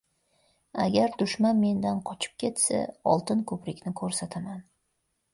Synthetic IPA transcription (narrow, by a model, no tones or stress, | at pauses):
a̰ɡʲaɾd̪ʊʃmanme̞nd̪anqʰɒt͡ʃʰɪ̥p̚kʲe̞t̪sa̰ɒ̰lˠt̪ɪnkʰɵpɾɪkʲnɪkʰɵɾsat̪ʰaman